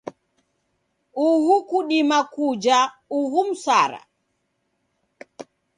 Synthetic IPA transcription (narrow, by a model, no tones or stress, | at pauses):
uhukuɗimakud͡ʒa | uɦum̩saɾa̰